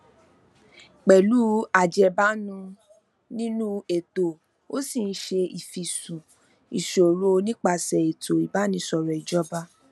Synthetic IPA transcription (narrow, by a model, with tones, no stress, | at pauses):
k͡pɛ˨lu˦a˨d͡ʒɛ˧ba˦nũ˧ | nĩ˦nũ˦e˨to˨ | o˦si˦˨n̩˦ʃe˧i˨fi˨sũ˨ | ḭ˨ʃo˨ɾo˦˧nĩ˦k͡pa˧˨sɛ˨e˨to˨i˨ba˦nĩ˧˦sɔ˨ɾɔ˨i˨d͡ʒɔ˦ba˦